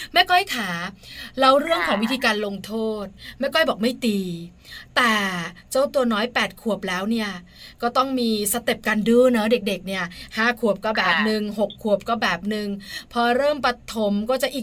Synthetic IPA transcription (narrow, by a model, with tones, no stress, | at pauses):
mɛː˥˩kʰɔ˥˩jkʰaː˩˦ɾa˧wɾɯ˥˩əŋkʰɔː˩˦ŋwi˦˥t̪ʰiː˧kaː˧nlo˧ŋt̪ʰoː˥˩t̪̚mɛː˥˩kʰɔ˥˩jbɔː˨˩k̚ma˥˩jt̪iː˧ | t̪ɛː˨˩t͡ɕa˥˩wt̪u˧ɐnɔː˦˥jpɛː˨˩t̪̚kʰu˨˩əp̚lɛː˦˥wni˥˩ɐ | kɔː˥˩t̪ɔ˥˩ŋmiː˧sa˧˦t̪e˨˩p̚kaː˧ndɯː˧˥˩nɔ˦˥de˨˩k̚de˨˩k̚ni˥˩ɐhaː˥˩kʰu˨˩əp̚kɔː˧˥˩bɛː˨˩p̚nɯ˨˧ŋɦo˨˩kʰːu˨˩əp̚kɔː˥˩bɛː˨˩p̚nɯ˧ŋpʰɔː˧ɾɤː˥˩mpɾa˧t̪ʰo˩˦mkɔː˥˩t͡ɕa˨˩ʔiː˨˩